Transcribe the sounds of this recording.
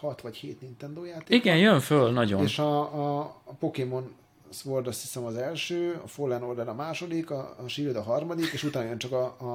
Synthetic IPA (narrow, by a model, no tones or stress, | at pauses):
hɒt̪ʋɒchḛːt̪nint̪ɛnd̪oːjaːt̪eːiɡɛnjøɱfølnɒɟo̰nːʃɒ | po̞kemo̞n | sʋo̞rd̪ɒst̪hisɛmɒzɛlʃøːɒ̰folːɛnord̪ɛɾɒmaːʃo̞d̪ikɒ̰ʃilod̪ɒɦɒrmɒd̪ikeːʃut̪aːnɒjønt͡ʃɒkɒ